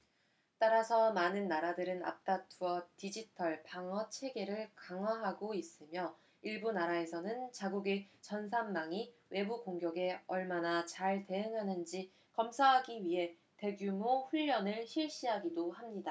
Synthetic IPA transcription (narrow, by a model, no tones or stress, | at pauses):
t͈aɾasʰʌmanɯnːaɾadɯɾɯna̰p̚t͈atʰuʌtid͡ʑitʰʌɭpaŋʌt͡ɕʰe̞ɡe̞ɾɯɭkaŋɦwaɦaɡois͈ɯmjʌ | iɭbunaɾae̞sʰʌnɯnt͡ɕaɡuɡe̞t͡ɕʌns̬ʰamːaŋiwʔe̞bukoŋɡjʌɡe̞ʌɭmanat͡ɕaɭte̞ɯŋɦanɯnd͡ʑi | kʌmsʰaɦaɡiɥiɦe̞ | te̞ɡjumoɸuʎːʌnɯɭɕiɭɕ͈iɦaɡidohamɲida